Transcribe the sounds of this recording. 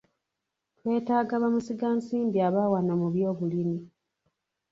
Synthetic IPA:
twe̞ːtaːɡaβamusiɡaːnsiːmbiaβaːwanomuβjo̞ːβulini

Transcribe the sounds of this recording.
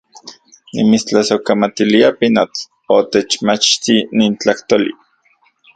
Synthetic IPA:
nḭmit͡st͡ɬasokamat̪iliapinot͡s | ot̪et͡ʃmat͡ʃt̪iniːnt͡ɬaht̪olḭ

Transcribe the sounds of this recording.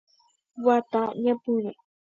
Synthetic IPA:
wat̪aɲãpuna

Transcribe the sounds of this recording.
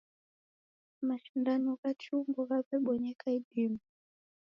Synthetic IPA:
maʃindanɔkat͡ʃuŋɡɔɣaβɛɓɔɲɛkaidimu

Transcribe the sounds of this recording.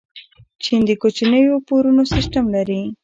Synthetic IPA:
t͡ʃind̪əkot͡ʃinəjopoɾunosɪsʈamlaɾi

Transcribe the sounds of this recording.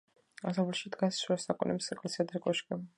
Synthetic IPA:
asɛblɛʃid̪ɡasʃɛsakʼɔnɛmsɛkʼlɛsiad̪ɾɛkʼɔʃkʼɛ

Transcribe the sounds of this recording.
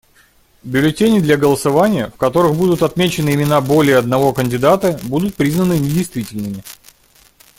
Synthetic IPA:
bʲʊlʲɪtʲenʲɪd̪lʲɐɡəlˠəsɐvanʲɪjəfkɐt̪o̞ɾɨxbud̪ʊt̪ɐt̪mʲet͡ɕɪnɨɪmʲɪnabo̞lʲɪjəɐd̪nɐvo̞kənʲdʲɪd̪at̪əbud̪ʊt̪̚pɾʲiznənɨnʲɪdʲɪjst̪vʲitʲɪlʲnɨmʲɪ

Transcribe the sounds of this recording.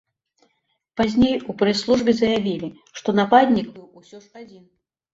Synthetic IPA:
pazʲnʲejupɾɛslˠuʐbʲɛzɐjavʲilʲi | ʂt̪ɔnapad̪ʲnʲikbɨwusʲɔʂad͡zʲin

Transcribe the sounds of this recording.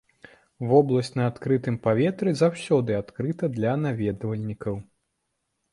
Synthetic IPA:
vɔblˠɐsʲt͡sʲnɐat̪kɾɨt̪ɨmpavʲɛt̪ɾɨzawsʲɔd̪ɨat̪kɾɨt̪ɐd̪lʲɐnavʲɛd̪vɐlʲnʲikɐw

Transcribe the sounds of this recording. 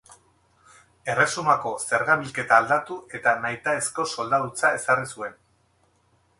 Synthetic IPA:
e̞re̞sumako̞se̞ɾɣaβilke̞t̪aːld̪at̪uʔe̞t̪anajt̪aesko̞so̞ld̪aðut͡sae̞sarisue̞n

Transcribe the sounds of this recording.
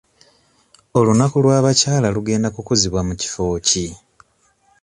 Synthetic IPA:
o̞lunakulwaːβacaːlaluɡe̞ːndakukoziβwamuci̥fo̞ːci

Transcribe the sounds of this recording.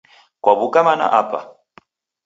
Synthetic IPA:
kwaβukamana̰ʔapa̰

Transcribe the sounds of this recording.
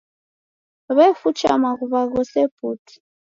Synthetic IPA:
βɛfut͡ʃamaɣuβaɣɔsɛputʰi̥

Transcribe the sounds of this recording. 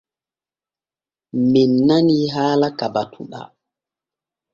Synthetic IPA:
minːaniɦaːlakabatʰṵɗa̰

